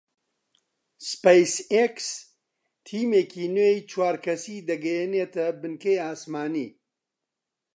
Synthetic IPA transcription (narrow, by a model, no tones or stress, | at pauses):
spejseks | t̪ʰiːmeːkʰiːnwejt͡ʃʰwaːɾkʰɐsiːd̪ɐɡɐjeneːt̪ɐbɨnkejaːsmaːnḭː